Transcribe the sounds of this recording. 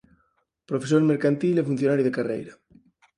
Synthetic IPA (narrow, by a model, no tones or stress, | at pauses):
pɾofesoɾmeɾkant̪ilefun̟θjonaɾjuðekarḛjɾa